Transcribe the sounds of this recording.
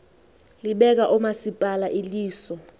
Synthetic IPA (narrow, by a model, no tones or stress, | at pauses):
liɓɛk̬aʔumasipʼalaʔiliːsɔ